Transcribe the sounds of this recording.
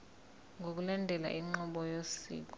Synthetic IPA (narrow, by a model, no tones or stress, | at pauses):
ŋɡʱok̬ʼulandʱɛla̰ʔiŋ͡ǃɔɓɔjosḭːk̬ʼɔ